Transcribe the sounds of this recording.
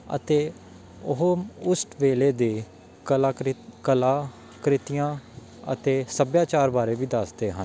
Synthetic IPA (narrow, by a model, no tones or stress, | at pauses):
ə̰t̪eː | ʊɦoʊsʈʋeːleːd̪eː | aːkəlaː | kɾɪt̪ɪjãː | ə̰t̪eːsəbjãːt͡ʃaːɾbaːɾeːʋiːd̪əsd̪eːɦən